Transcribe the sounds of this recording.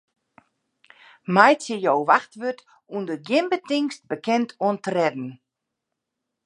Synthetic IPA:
majt͡sjɪjowʋaxtʋøt | undəɡjɪmbətɪŋst̚bəkɛntʰɔəntərɛdn̩

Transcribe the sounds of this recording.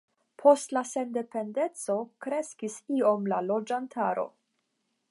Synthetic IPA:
pʰo̞stlase̞nde̞pe̞nde̞t͡so̞kɾe̞skisio̞mlalo̞d͡ʒantʰaɾo̞̰

